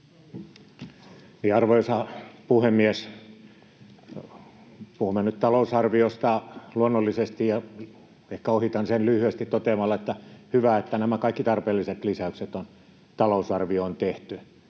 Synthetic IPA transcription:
niːɑrʋoisɑpuhemːies | puhumːenytt̪ɑlousɑrʋiost̪ɑluonːolːisest̪ijɑ | ehkæohit̪ɑnsenlyhyæst̪it̪t̪ot̪emɑlːɑet̪ːæhyʋæet̪ːænæmækɑikːit̪ɑrpeːlːiset̪lisæykset̪on | t̪ɑlousɑrʋioont̪eht̪y

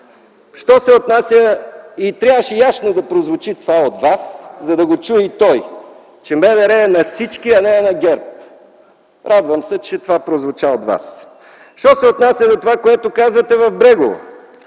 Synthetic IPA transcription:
ʃt̪ɔsɛot̪nasʲjəit̪ɾʲjavəʃɛjasnod̪ɐpɾozvot͡ʃit̪ovaod̪vaszɐd̪ɐɡot͡ʃuit̪ɔj | t͡ʃɛmɛvɛɾɛːnɐfsit͡ʃkiɐnɛnɐɡɛɾp̚ | ɾʔad̪vəmsɛt͡ʃɛt̪ovapɾozvot͡ʃaod̪va̰s | ʃt̪ɔsɛot̪nasʲjəd̪ot̪ovakoɛt̪okazvɐt̪ɛvɐvbɾɛɡovo̰

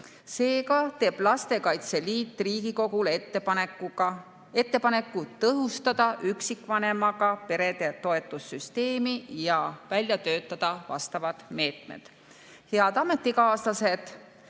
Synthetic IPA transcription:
se̞ːkɑt̪e̞ːb̥lɑst̪e̞kɑjt̪se̞liːt̪ːˑriːɡ̥iko̞ɡ̥ul | e̞t̪ːe̞pɑne̞kːˑut̪ɤɦust̪ɑd̪̥ɑʔyksikːˑvɑne̞mɑɡ̥ɑpe̞ɾe̞d̪̥e̞t̪o̞e̞t̪ːˑusːyst̪e̞ːmijɑvælʲjɑt̪øːt̪ːˑɑd̪̥ɑvɑ̰st̪ɑvɑd̪̥me̞ːt̪mḛd̪̥ | he̞ɑd̪̥ɑme̞t̪ːˑikɑːslɑse̞d̪̥

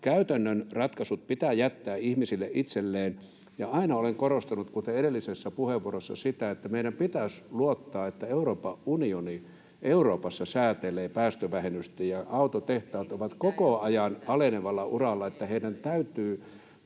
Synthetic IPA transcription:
kæyt̪ænːønrɑt̪kɑsut̪̚pit̪æːjæt̪ːæːihmisilːeʔʔit̪selːeːn | jɑɑinɑoleŋkoɾost̪ɑnut̪kut̪eeɾelːisesːæpuheʋːuorosːɑ̰sit̪æet̪ːæmeiɾæmpit̪æsluot̪ːɑːet̪ːæeuroːpɑʔunioni | ʔeuɾoːpɑsːɑsæːt̪eleːpæːst̪øʋæhenyst̪ejjɑɑut̪ot̪eht̪ɑːt̪oʋɑt̪kokoɑjɑnɑleneʋɑlːɑʔurɑlːɑet̪ːæheidænt̪æyt̪yː

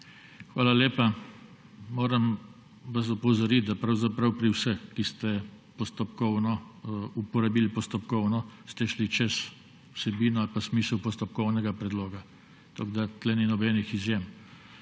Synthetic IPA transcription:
xʋaːlaleːpa | moːɾəm | ʋas̬ɔpɔwzɔɾit̪̚d̪apɾawzapɾawpɾiwsəxkist̪ɛ | pɔst̪ɔpkɔwnɔupɔɾabiːlpɔst̪ɔpkɔwnɔst̪ɛʃlit͡ʃɛs | wsɛbiːnɔalpasmiːsəwpɔst̪ɔp̚kɔwnɛɡapɾɛd̪loːɡa | t̪oɡd̪at̪lɛninɔbɛnixizjem

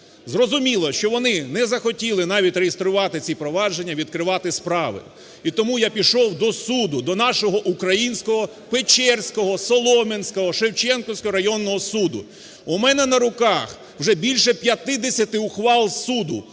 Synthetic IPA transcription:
zrɔzʊmʲilˠɔʃt͡ʃɔʋɔnɪnɛzɐxɔtʲilˠɪnɑʋʲitʲrejest̪ɾʊʋɑt̪ɪt͡sʲipɾɔʋɑd͡ʒe̞nʲːɐʋʲid̪̚kɾɪʋɑt̪ɪspɾɑʋɪ̰ | it̪ɔmujapʲiʃɔwd̪ɔsud̪ʊd̪ɔnɑʃɔɦɔʔukɾɐjinʲsʲkɔɦɔ | pet͡ʃɛrsʲkɔɦɔsɔlˠɔmenʲsʲkɔɦɔʃewt͡ʃɛnkɔwsʲkɔɾɐjɔnːɔɦɔsud̪ʊ̰ | umɛnɛnɐɾʊkɑx | wʒɛbʲilʲʃɛpʲjɐt̪ɪd̪esʲɐt̪ɪwxʋɑlˠsud̪ʊ

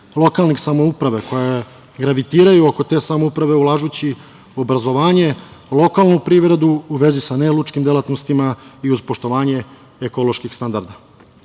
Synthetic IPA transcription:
lˠo̞kalnixsamo̞upɾaʋeko̞je | ɡɾaʋit̪iːɾajuoko̞t̪e̞ːsamoupɾaʋe̞ulˠaːʒut͡ɕi | o̞bɾazo̞ʋaːɲe̞lˠo̞kalˠnupɾiːʋɾe̞d̪uuʋe̞zisanelut͡ʃkimd̪e̞lat̪nost̪imaiuzpo̞ʃt̪o̞ʋaːɲe̞ | eko̞lˠo̞ʃkixst̪and̪aɾd̪a

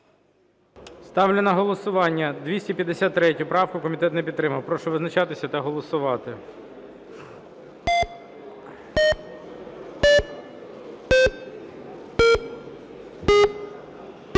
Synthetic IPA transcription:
st̪ɑwlʲenɐɦɔlˠɔsʊʋɑnʲːɐd̪ʋʲisʲtʲipʲjɐd̪ːesʲat̪ːɾɛtʲʊpɾɑwkʊkɔmʲit̪ɛt̪nɛpʲid̪ːɾɪmɐwpɾɔʃɛʋɪznɐt͡ʃɑt̪ɪsʲɐt̪ɐɦɔlˠɔsʊʋɑt̪ɪ

